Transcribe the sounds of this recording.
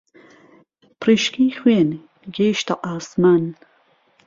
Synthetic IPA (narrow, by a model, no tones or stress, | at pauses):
pɾiʃkiːxweːn | ɡeːʃt̪aʔaːsmaːn